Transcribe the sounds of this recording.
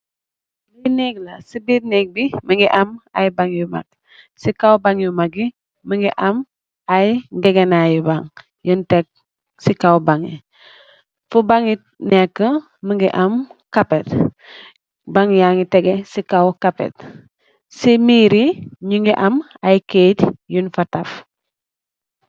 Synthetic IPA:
lineɡlasibitnek̚biməŋɡiʔama̰jbaŋjuma̰k̚ | sikawbaŋjumak̚i | məŋɡiʔam | ajɡeɡenajubaŋ | juntɛk̚ | sikawbaŋḭ | fubaŋit̚nɛkːə | məŋɡḭʔamkapet | baŋjaŋitɛɡesikawkapḛt̚ | simiɾiɲuŋɡiʔam | ajketjunfataf

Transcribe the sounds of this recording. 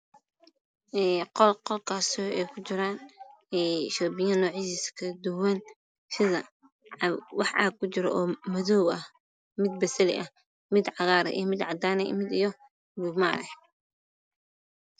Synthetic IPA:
ɛːqɔlqɔlkʰaːsʔɛjkʰʊt͡ʃɪɾaːnɛʃɔːbɪjɐnɔːʕiːsiskʰɐd̪ʊwɐn | ʃɪðɐ | wɑħʔɑ̰kʰʊt͡ʃɪɾɔʔɔːmɐðɔwɐh | mɪd̪̚bɐsɐlɪ̰ʔɐh | mɪd̪ʕɑɣaːɾɛ̰ʔḭjmɪd̪ʕɑd̪aːnɛ̰mɪd̪ijɔ | bʊma̰ːɾɛ

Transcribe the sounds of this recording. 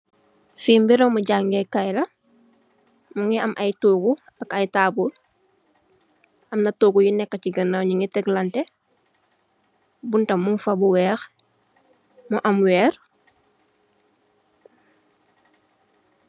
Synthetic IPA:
fiːmbiɾɔmuɟaŋɡɛkɐjlɐ | muŋiɐmʔɐjtuːɡu | ɐkɐjtaːbul | ɐmnɐtoːɡujinɛkːɐciɡɐnːaɲuŋitɛɡlɐntɛ | buntɐmunfɐbuwɛːx | muʔɐmwɛːɾ

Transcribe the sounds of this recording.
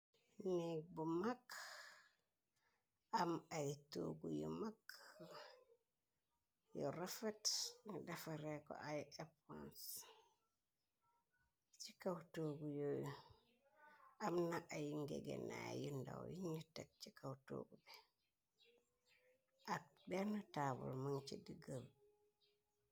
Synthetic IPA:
neɡ̚bumak | ʔamajto̰ɡujo̰mak | jɔɾafatndafaɾekɔ̰ʔajepã̰ns | t͡ʃikawtoɡujoj | ʔamnaʔajiŋɡɛ̰ɡɛ̰najinda̰wjiɲitːak̚t͡ʃikawto̰ːɡubɛ | ʔabɛnatabṵlmaŋt͡ʃidiɡəb

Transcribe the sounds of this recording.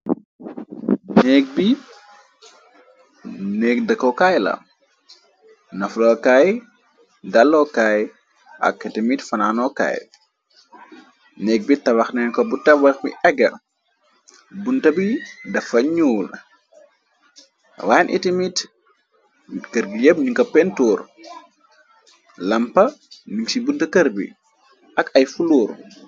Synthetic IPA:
nɛːk̚bi | nɛːkdɐkːɔkajlɐ̰m | nɐflɔkaj | dalːɔkaj | ʔɐ̰kːɐtimitfɐnaːnɔka̰ːj | nɛːk̚bitɐwɐxnɛːnkɔbutɐbɐxbḭʔɛɡɐ | buntɐbidɐfɐɲuːl | waːjnʔḭtimit | kəɾɡijɐb̚ɲuŋkɐpɛntuːr | lɐmpɐniŋsibuntɐkɐɾbḭ | ʔɐkɐjfuluːɾ

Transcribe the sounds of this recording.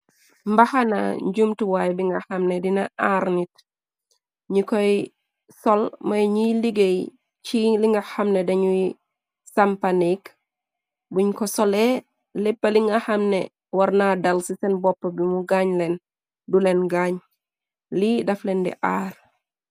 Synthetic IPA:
mbɐhɐna̰ɲɟumtuwajbiŋɡɐxɐmnɛdinɐʔaɾnit̚ | ɲukɔj | sɔlmɐjɲiliɡej | t͡ʃiliŋɡɐxɐmnɛdɐɲuj | sɐmpanik | buɲkɔsɔlɛ | lɛpːɐliŋɡɐhɐmnɛ̰ | wɐrnadɐlsisɛnbɔpːɐbimuɡaɲlɛn | dulɛnɡaɲ | lidɐflɛndḭʔaːr

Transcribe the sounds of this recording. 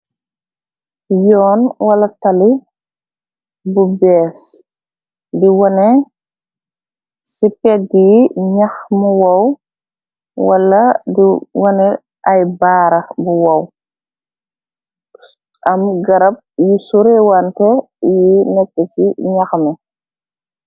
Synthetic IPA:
jɔːnwɐlɐtali | bubɛːs | diwɔnɛ | sipɛɡiɲaxmuwɐw | wɐlːɐdiwɔnɛ | ʔajbaːɾɐbuwɐw | ʔɐmɡɐɾɐp̚jisuɾɛwantɛ | jinɛkːɛsiɲaxmɛ

